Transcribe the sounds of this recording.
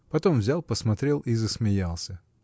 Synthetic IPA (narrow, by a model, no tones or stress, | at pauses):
pɐt̪o̞mvzʲalˠpəsmɐt̪ɾʲe̞lˠizəsmʲɪjalˠsʲə